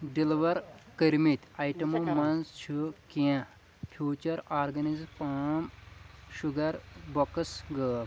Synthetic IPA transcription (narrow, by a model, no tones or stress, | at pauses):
ɖiliʋɐɾkəɾmit̪ɐjʈɐmomɐnzt͡ʃʰɨkã | fʰjuːt͡ɕɐɾaːɾɡɐnizpamɕuɡɐɾbɔksɡəːl